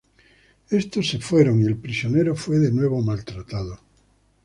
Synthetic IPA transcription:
est̪osːe̞fwe̞ɾoŋielpɾisjoneɾofweðenwe̞β̞omalt̪ɾat̪aðo

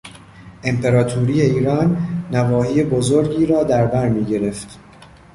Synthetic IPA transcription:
ʔe̞mpʰe̞ɾɒːt̪ʰuːɾiːje̞iːɾɒːnːævɒːhiːebozoɾɟiːɾɒːd̪æɾbæɾmiːɟe̞ɾe̞ft̪

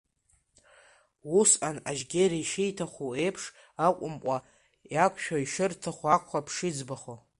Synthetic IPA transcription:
wusanaʒɡʲeɾiʃejtʰaχʷoe̞jpʰʂ | akʷʼʊmqʷʼa | jakʷʰʃᶣaiʂɨrtʰaχʷakʷʰχapʰʂid͡zbaχo

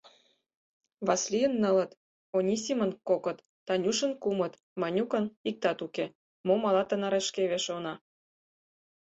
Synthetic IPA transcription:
βɑslʲijə̆nːə̆lə̆t̪ | onʲisʲimə̆nkokɤ̆t̪ːɑnʲuʃə̆nkumɤ̆t̪ | mɑnʲukɤ̆nik̚t̪ɑt̪uke | momɑlɑt̪ə̆nɑɾeʃkeβeʃonɑ

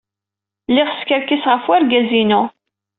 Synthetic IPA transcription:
lɪʁskəɾkisʁəfwæɾɡæzinʊ

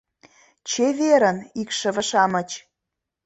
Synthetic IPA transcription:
t͡ɕeβeɾə̆nikʃə̆βə̆ʃɑmə̆t͡ɕ

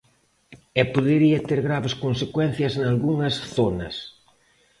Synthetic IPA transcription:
ɛpoðeɾiɐt̪eɾɣɾaβeskonsekwɛn̟θjɐznalɣuŋɐsθonɐ̰s

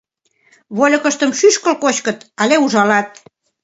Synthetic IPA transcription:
βolʲɤ̆kə̆ʃt̪əmʃyʃkə̆lkot͡ɕkət̪ɑleuʒɑlɑt̪̚

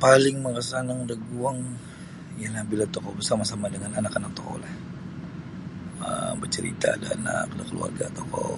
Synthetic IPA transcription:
palɪŋmərasanaŋdaɡuaŋ | jalahbilat̪okɔbəsamasamadəŋananakanak̚t̪okɔ̰lah | əmbərt͡ʃəɾḭt̪aːdana̰k̚bilakəlṵa̰rɡat̪okɔ̰

